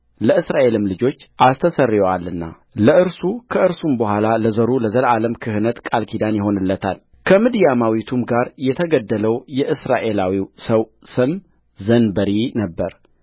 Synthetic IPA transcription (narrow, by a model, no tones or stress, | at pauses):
ləɨsɾaʔe̞lɨmlɨd͡ʒo̞t͡ʃːʔast̪ʰəsərːjɛwalːɨnːa̰ | ləʔɨɾsukʰəɨɾsumbəhʷalaləzəɾuləzəlaləmkʰɨhɨnət̪kʼalkʰid̪anjɪɦo̞nɨlːət̪ʰa̰l | kʰəmɨd̪jamawit̪ʰumɡaɾjɛt̪ʰəɡəd̪ːələwjɛʔɨsɾaʔe̞lawiwsəwsɨm | zənbəɾinəbːəɾ